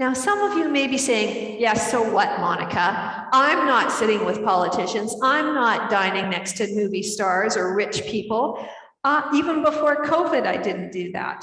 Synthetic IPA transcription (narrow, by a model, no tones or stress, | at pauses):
naʊsʌ̃mʌvjɨmeɪbiseɪɪ̃ŋ | jɛsoʊwʌt̚mɑnɨkʰə | ãɪ̃mnətsɪɾɪ̃ŋwəð̥pʰɑlˠətʰɪʃɨ̃nzãɪ̃mnət̚d̥ãɪ̃nɪ̃ŋnɛkstʰɨnʉvistɑɹzə˞ɹɪt͡ʃpʰipl̩ˠ | ʌivə̃nbəfɔɹkʰoʊvɪɾaɪdɪdⁿn̩d̥ɨðæ̰t̚